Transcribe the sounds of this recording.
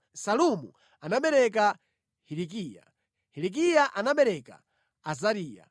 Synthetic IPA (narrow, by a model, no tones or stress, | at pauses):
salumṵ | anaɓɛɾɛk̬a | hiɾik̬iːja̰ | hilik̬ijaʔanaɓɛɾɛka̰ | azaɾiːja̰